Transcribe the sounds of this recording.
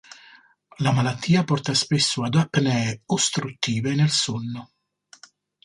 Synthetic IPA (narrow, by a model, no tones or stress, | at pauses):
lamalat̪ʰːiːapɔrt̪aspesːʊad̪apːnɛust̪ɾut̪ːiːvenelsonːʊ